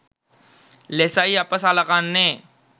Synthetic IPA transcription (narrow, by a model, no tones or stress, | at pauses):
leːsaːiaːpəsaːlakaːnːẽː